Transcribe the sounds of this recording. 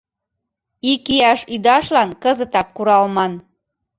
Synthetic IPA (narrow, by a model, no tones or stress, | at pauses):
ikiæʃyd̪ɑʃlɑnkəzə̆t̪ɑkːuɾɑlmɑn